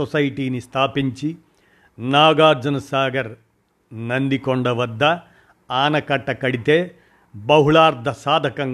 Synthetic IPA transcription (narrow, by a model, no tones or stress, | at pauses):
ɔsɐjʈiːnist̪ʰaːpiɲt͡ʃi | naːɡaːɾd͡ʒɐnɐsaːɡɐɾ | nɐnd̪ikoɳɖɐʋɐd̪ːɐ | aːnɐkɐʈːɐkɐɽit̪eː | bɐɦuɭaːɾd̪ʱɐsaːd̪ʱɐkɐŋ